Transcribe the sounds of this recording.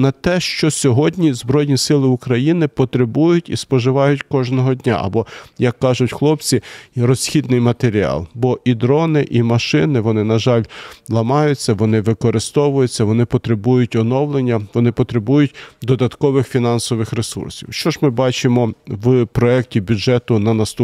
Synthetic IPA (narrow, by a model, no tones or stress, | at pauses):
nɐt̪ɛʃt͡ʃɔsʲɔɦɔdʲnʲizbɾɔjnʲisɪlˠɪʊkɾɐjinɪpɔt̪ɾebujʊtʲispɔʒɪʋɑjʊtʲkɔʒnɔɦɔdʲnʲa̰ʔɐ̰bɔjɐkːɑʒʊtʲxlˠɔpt͡sʲiɾɔsʲxʲid̪nɪjmɐt̪eɾʲiɑ̰lˠbɔʔid̪ɾɔnɪʔimɐʃɪnɪʋɔnɪnɐʒɑlʲlˠɐmɑjʊt͡sʲːɐʋɔnɪʋɪkɔɾɪst̪ɔʋʊjʊt͡sʲːɐʋɔnɪpɔt̪ɾebujʊtʲɔnɔwlˠenʲːɐʋɔnɪpɔt̪ɾebujʊtʲd̪ɔd̪ɐt̪kɔʋɪxfʲinɑnsɔʋɪxɾesṵrsʲḭwʃt͡ʃɔʒmɪbɑt͡ʃɪmɔʋpɾɔɛk̚tʲibʲʊd͡ʒɛt̪ʊnɐnɐst̪u